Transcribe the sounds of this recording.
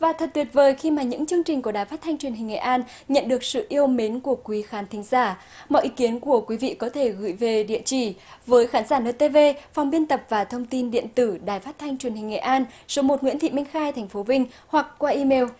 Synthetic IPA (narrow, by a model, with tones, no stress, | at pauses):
vaː˨˩t̪ʰə˨˩t̚t̪wi˨˩ət̚vəː˨˩jxi˧maː˨˩ɲɨ̰˧˥ŋt͡ɕɨ˧əŋt͡ɕï˨˩ŋ̟kəɗaː˨˩jfaː˦˥t̚t̪ʰa˧jŋ̟t͡ɕwənhï˨˩ŋ̟ŋḛ˧˨ʔaː˧n | ɲə̰˧˨nɗɨ˨˩ək̚sɨ̰˧˨ʔi˧əwme˨˦nku˧˩əkwi˨˦xaː˨˦nt̪ʰï˨˦ŋ̟zaː˧˩ | mɔ̰˧˨ʔi˨˦ki˨˦ənku˧˩əkwi˨˦vḭ˧˨kɔ˨˦t̪ʰe˧˩ɣɨ̰˧˩jve˨˩ɗḭ˧˨ət͡ɕi˧˩vəː˨˦jxaː˨˦nzaː˧˩nəː˧t̪e˧ve˧fa˨˩wŋ͡mɓi˧ənt̪ə˨˩p̚vaː˨˩t̪ʰə˧wŋ͡mt̪i˧nɗḭ˧˨ənt̪ɨ˧˩ɗaː˨˩jfaː˦˥t̚t̪ʰa˧jŋ̟t͡ɕwi˨˩ənhï˨˩ŋ̟ŋḛ˧˨ʔaː˧nso˨˦mo˨˩t̚ŋwḭ˧˥nt̪ʰḭ˧˨mi˧ŋ̟xaː˧jt̪ʰɛ˨˩ŋ̟fo˨˦vï˧ŋ̟ | hwa˨˩k̚kwaː˧ʔi˧me˧w